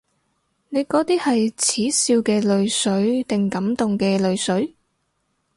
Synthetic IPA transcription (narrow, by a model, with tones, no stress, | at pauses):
ne˨˧jkɔː˨˥t̪iː˥hɐ˨jt͡sʰiː˨˥siː˧wkɛː˧lɵ˨˧ɥsɵ˨˥ɥt̪ɪ˨ŋkɐ˨˥mt̪ʊ˨ŋkɛː˧lɵ˨˧ɥsɵ˨˥ɥ